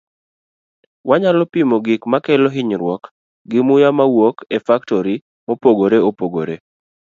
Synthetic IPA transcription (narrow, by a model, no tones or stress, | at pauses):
waɲalɔpimoɡɪkmakɛlɔɦɪɲɾwɔk | ɡɪmʊjamawokefaktɔɾi | mopoɡoɾeopoɡo̰ɾe